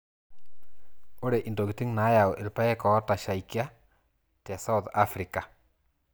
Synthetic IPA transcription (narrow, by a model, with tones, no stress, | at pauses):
o˦ɾe˨ʔi˨ndo˨kɪ˨ti˦ŋna˨˦ja˨wʔɪ˨lpa˦ɛ˦kɔ˨˦ta˨ʃa˨i˨kja˦ | ta˨sa˦wθa˦fɾi˨ka˨